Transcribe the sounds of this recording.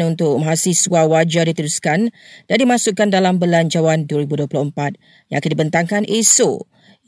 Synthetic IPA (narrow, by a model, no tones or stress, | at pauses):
nunt̪ʊk̚maɦasiswawad͡ʒadit̪əɾuskand̥andimãsʊʔkːandalambəland͡ʒawanduəɾibuduəplʊhəmpat̪̚ | jãŋakandibənt̪aŋkanʔeso̰